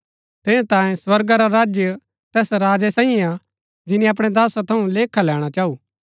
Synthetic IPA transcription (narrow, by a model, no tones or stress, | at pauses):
t̪ɪnãt̪ãːẽsʋɐɾɡaɾaɾaːd͡ʒjə | t̪ɛːsɾaːd͡ʒɛsãːĩa | d͡ʒɪnĩɐp̬ɽ̃ɛd̪aːsat̪ʰɐũleːkʰːalɛːɽ̃at͡ʃaːuː